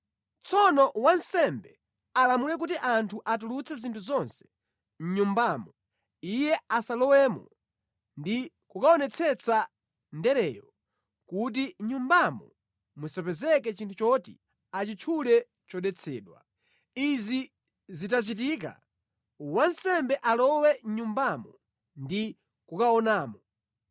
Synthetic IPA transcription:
t͡sɔnɔwansɛmbɛ | alamulɛk̬utiʔantʰuʔat̬ulut͡sʰɛzintʰuzɔnsɛ̥ | ɲ̩ɲumbamɔ | ijɛasalɔwɛmɔ̰ | ndi | kukaɔnɛt͡sʰɛt͡sʰa | ndɛɾɛːjɔ | kut̬iɲumbamɔ̰ | musapɛzɛkɛt͡ʃintʰut͡ʃɔtḭ | at͡ʃit͡ʃʰulɛ | t͡ʃɔɗɛt͡sʰɛːɗwa̰ | izi | zit̬at͡ʃit̬iːka̰ | wansɛmbɛʔalɔwɛɲumbamɔ | ndi | kukaɔnaːmɔ

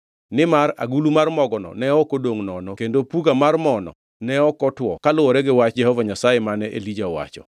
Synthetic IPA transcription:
nɪmaɾa̰ɡulumarmɔɡɔnɔ̰nɛɔkodoŋnɔnokendopuɡamarmɔnɔ̰ | nɛɔkɔtwɔkalʊwɔɾɛɡɪwat͡ʃd͡ʒɛhɔvaɲasajemanɛʔelid͡ʒaɔwa̰t͡ʃɔ̰

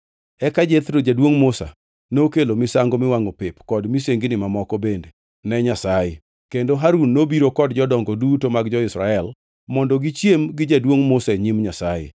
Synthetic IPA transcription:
ɛkad͡ʒet̪ɾod͡ʒadwoŋmʊsa̰ | nokelomɪsaŋɡomɪwaŋopɪpkɔdmiseŋɡɪnɪmamɔkɔbende | nɛɲasaje | kendoɦaɾunːobiɾokɔdd͡ʒɔdɔŋɡɔdutomaɡd͡ʒɔɪsɾaɛl | mɔndɔɡɪt͡ʃjemɡɪd͡ʒadwoŋmʊsaeɲimɲasajḛ

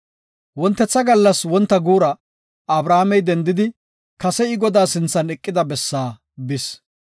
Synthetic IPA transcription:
wɔnt̪ːɛt͡sːɐɡɐlːɐswɔnt̪ːɐɡuːɾɐ | ɐbɾaːmɛjd̪ɛnd̪ɪd̪ɪ | kɐsɛɪɡɔd̪aːsɪnt͡sːɐnɛkʼːɪd̪ɐbɛsːaː | bɪs

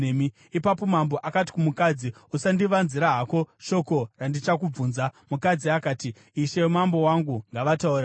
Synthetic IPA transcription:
emi | ipapo̞mambo̞ʔakat̬i̥kumukad͡ziusandiʋanziɾaɦako̞ʃo̞ko̞randit͡ʃakub͡vuːnzamukad͡ziakaːtiː | ʃe̞mambo̞waŋɡuŋɡaʋatauːɾa

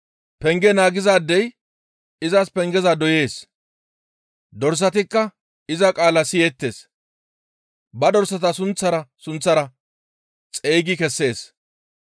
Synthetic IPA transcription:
pɛŋɡɛnaːɡɪzaːd̪ːɛj | ɪzɐspɛŋɡɛzad̪ɔje̞ːs | d̪ɔɾs̬ːɐt̪ɪkːɐ | ɪzɐkʼaːlɐsɪjɛt̪ːe̞ːs | bɐd̪ɔɾsɐt̪ɐsʊnt͡sːɐɾɐsʊnt͡sːɐɾɐ | t͡sʼeːɡɪkɛsːe̞ːs

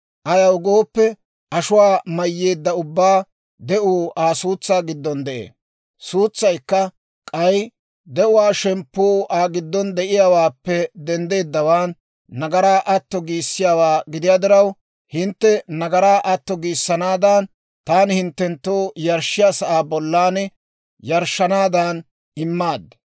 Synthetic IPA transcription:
ʔɐjɐwɡoːpːɛ | ʔɐʃʊwaːmɐjːe̞ːd̪ːɐʊbːaː | d̪ɛʔuːʔaːsuːt͡sːaːɡɪd̪ːɔnd̪ɛʔḛː | suːt͡sːɐjkːɐ | kʼɐj | d̪ɛʔʊwaːʃɛmpːoːʔaːɡɪd̪ːɔnd̪ɛʔɪjaːwaːpːɛd̪ɛnd̪e̞ːd̪ːɐwaːnː | ɐɡɐɾaːʔɐt̪ːɔɡiːsːɪjaːwaːɡɪd̪ɪjaːd̪ɪɾɐw | hɪnt̪ːɛnɐɡɐɾaːʔɐt̪ːɔɡiːsːɐnaːd̪ɐn | t̪aːnɪhɪnt̪ːɛnt̪ːoːjɐɾʃːɪjaːsɐʔaːbɔlːaːnɛ | jɐɾʃːɐnaːd̪an | ɪmːaːd̪ːɐ

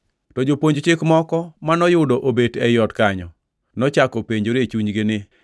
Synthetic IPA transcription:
tɔd͡ʒopoɲd͡ʒt͡ʃɪkmɔkɔmanɔjʊdoʔobedɛjɔtkaɲɔ | nɔt͡ʃakɔpeɲd͡ʒoɾet͡ʃuɲɡɪnɪ

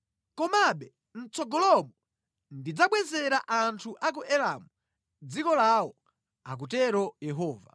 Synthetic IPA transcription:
kɔmaɓɛ | n̩t͡sɔɡɔlɔmɔ | ndid͡zaɓwɛzɛɾaʔantʰuʔak̬uʔɛlamu | d͡zikɔlawɔ | ak̬utɛɾɔjɛɦɔːva̰

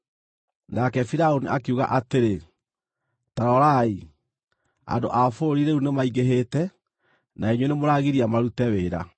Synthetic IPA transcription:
nakɛfiɾaoniʔakeuɣa̰ʔateɾe | taɾɔɾai | a̰ndo̰ʔafoɾiɾeunemaiɣeɦetɛ | naeɲwenemoɾaɣiɾiamaɾutɛweɾa̰

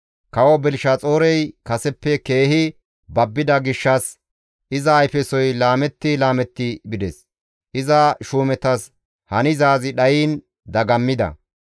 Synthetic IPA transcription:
kɐwɔbɛlʃɐt͡sʼoːɾɛjkɐsɛpːɛkeːhɪ | bɐbːɪd̪ɐɡɪʃːɐs | ʔɪzɐːjfɛsɔjlaːmɛt̪ːɪlaːmɛt̪ːɪbɪd̪ɛs | ʔɪzɐʃuːmɛt̪ɐs | hɐnɪzaːzɪɗɐjiːn | d̪ɐɡɐmːɪd̪ɐ̰

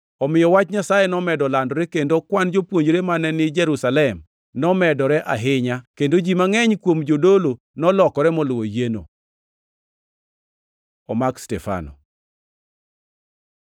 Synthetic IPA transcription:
ɔmɪjɔwat͡ʃɲasajenɔmɛdɔlandɔɾɛkendokwand͡ʒopwoɲd͡ʒɾemanɛnɪd͡ʒɛɾusalɛm | nɔmɛdɔɾɛʔa̰ɦɪɲakendod͡ʒimaŋɛɲkwomd͡ʒodolo | nɔlɔkɔɾɛmɔlʊwojeno̰ | ɔmakstɛfa̰nɔ̰

